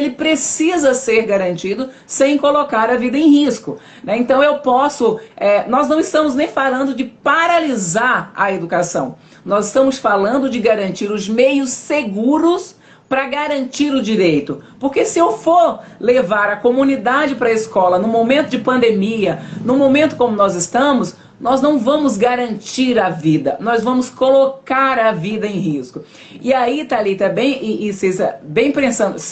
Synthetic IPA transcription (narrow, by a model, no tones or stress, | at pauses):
elɪpɾesizɐseɾɡaɾɐ̃nt͡ʃid̪ʊ | sẽj̃kolokaɾɐvid̪ɐẽj̃hiskʊ | nɛẽnt̪ɐ̃w̃ewpɔsʊɛnɔznɐ̃w̃ist̪ɐ̃mʊznẽj̃falɐ̃nd̪ʊd͡ʒɪpaɾalizaɾɐed̪ukasɐ̰̃w̃ | nɔzɪst̪ɐ̃mʊsfalɐ̃nd̪ʊd͡ʒɪɡaɾɐ̃nt͡ʃiɾʊzmejʊsːeɡuɾʊs | pɾɐɡaɾɐ̃nt͡ʃiɾʊd͡ʒiɾejt̪ʊpoɾkesɪewfoɾlevaɾɐkomũnid̪ad͡ʒɪpɾɐiskɔlɐnʊmomẽnt̪ʊd͡ʒɪpɐ̃nd̪emiɐnʊmõmẽnt̪ʊ̥kõmʊnɔzɪst̪ɐ̃mʊs | nɔznɐ̃w̃vɐ̃mʊzɡaɾɐ̃nt͡ʃiɾɐvid̪ɐnɔzvɐ̃mʊskolokaɾɐvid̪ɐẽj̃hiskʊ | ɪait̪alit̪abẽj̃ɪʔːsezɐ̰bẽj̃pɾẽsɐ̃nd̪ʊs